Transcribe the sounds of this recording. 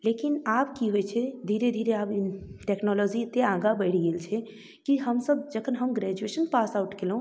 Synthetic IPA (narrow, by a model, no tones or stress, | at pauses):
lekinabkiɦojt͡ʃʰɛd̪ʱiɾed̪ʱiɾeabʈeknɔlɔd͡ʒit̪eãɡabəɪɽ̤iɡelt͡ʃʰɛ | kiɦəmsəb̚d͡ʒəkʰənɦəmɡɾɛd͡ʒuesənpasauʈkelɦũ